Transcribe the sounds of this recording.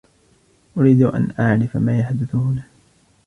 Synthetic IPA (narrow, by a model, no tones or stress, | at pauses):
ʔʊɾiːd̪ʊʔa̰nʔaʕɾɪfamaːjaħd̪ɪθʊhʊna